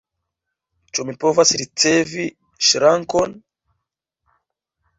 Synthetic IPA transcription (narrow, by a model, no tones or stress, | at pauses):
t͡ʃomipovasiɾit͡sɛvi | ʃiɾaŋkɔn